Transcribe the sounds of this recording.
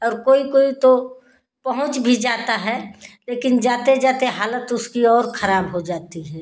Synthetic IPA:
ɔːɾkoːikoːit̪o | pɐɦʊ̃t͡ʃbʱid͡ʒaːt̪aɦɛleːkɪnd͡ʒaːt̪ed͡ʒaːt̪eɦaːlət̪ʊskiɔːɾxʰɐɾaːbɦod͡ʒaːt̪iɦɛː

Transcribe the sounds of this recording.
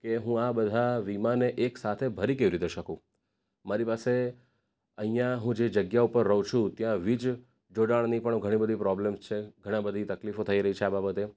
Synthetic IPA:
keɦũabəd̪ʱaʋimaneʔeksat̪ʰebʱəɾikeʋiɾit̪eʃəkũ | maɾipase | əɦĩjãɦũd͡ʒed͡ʒəɡjaupəɾːəũt͡ʃʰũt̪jãʋid͡ʒ | d͡ʒoɖaɭnipəɳɡʱəɽ̃ibəd̪ʱipɾɔblemst͡ʃʰeɡʱəɽ̃ãbəd̪ʱit̪əklifot̪ʰəiɾəɦit͡ʃʰeababət̪e

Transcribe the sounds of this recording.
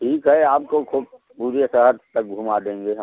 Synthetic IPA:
ʈʰiːkɦɛaːp̚kokʰuːb̚ | puːɾesəɦəɾt̪ək̚ɡʱuːmad̪ẽːŋɡeɦə

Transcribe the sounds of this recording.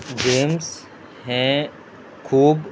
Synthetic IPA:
d͡ʒeːms | ɦɛ̃ | kʰuːb

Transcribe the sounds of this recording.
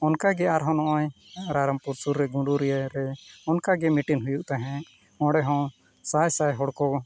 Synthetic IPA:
ɔnkaɡɛaɾɦɔ̃nɔʔɔjaɾaɾampuɾsuɾːɛɡũɳɖuɾɛjaɾɛɔnkaɡɛmiʈinɦujuʔt̪aɦɛ̃ | ɔ̃ɽɛɦɔ̃ | sajsajɦɔɽkɔ

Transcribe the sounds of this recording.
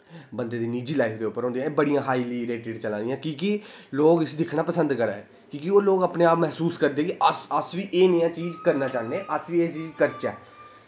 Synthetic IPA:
bənd̪eːd̪iːniːd͡ʒiːlaːɪpʰd̪eːʊpːəɾɦõːnd̪iãːeːbəɽijãːɦaːiliːɾeːʈɪɖt͡ʃəlãːd̪ɪjãːkiːkiloːɡəsid̪ɪkʰnaːpəsənd̪kəɾa̰ːɛː | kiːkioːloːɡəpnẽːaːpmɛɦsuːskəɾd̪eːkiʔəsəsʋiːʔeːnəjãːt͡ʃiːd͡ʒkəɾnaːt͡ʃaːneːʔəsʋiːeːt͡ʃiːd͡ʒkəɾt͡ʃɛː

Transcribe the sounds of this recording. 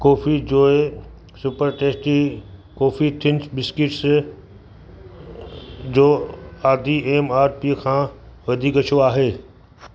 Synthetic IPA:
kɔːfid͡ʑoːe | sʊpəɾʈeːsʈikɔːfit̪ʰɪnsbɪskɪʈs | d͡ʑoːaːd̪ʱieːmaːɾpiːəkʰãː | ʋɐd̪ʱiɡɐt͡ʃʰoaːɦeː

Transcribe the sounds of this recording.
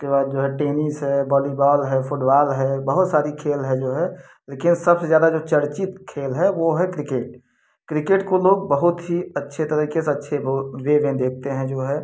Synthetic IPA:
ʊskebaːd̪̚d͡ʒoːɦɛʈeːnɪsɦɛbɔːlibaːlɦɛfʰʊʈbaːlɦɛbɐɦʊt̪saːɾikʰeːlɦɛd͡ʒoːɦɛ | leːkɪnsɐbsezjaːd̪ad͡ʒoːt͡ʃəɾt͡ʃɪt̪kʰeːlɦɛʋoɦɛkɾɪkeːʈ̚ | kɾɪkeːʈkoloːɡ̚bəɦʊt̪ɦiɐtːʃʰet̪əɾikeseɐtːʃʰeʋeʋẽd̪eːk̚ʰt̪eɦɛ̃d͡ʒoːɦɛː

